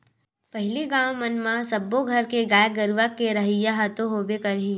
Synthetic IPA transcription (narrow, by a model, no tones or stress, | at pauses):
pɐɦɪliɡãːwmənmãsɐbːoɡʱɐɾkeɡaːjɡəɾʋakeɾɐɦijaɦat̪oɦoːbekɐɾɦi